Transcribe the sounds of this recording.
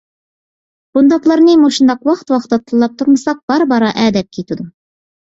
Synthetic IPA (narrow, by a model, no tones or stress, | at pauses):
b̥und̪ɑqlˠɑɾnimuʃə̆nd̪ɑqwɑqt̪wɑqə̥t̪ːɑt̪ʰə̆lˠːɑp̚t̪ʰʊɾməsɑq̚b̥ɑɾbɑɾɑʔæd̪æp̚kʲʰit̪ud̪əm